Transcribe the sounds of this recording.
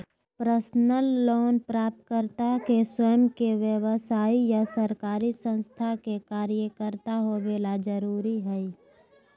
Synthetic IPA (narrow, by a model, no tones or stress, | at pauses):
pɾəsnəlːoːnpɾaːp̚t̪̚kəɾt̪akeswəjəmkeʋjəwəsaːijasəɾkaːɾisə̃nst̪ʰakekaːɾijəkəɾt̪aɦobelad͡ʒəɾuːɾiɦɛi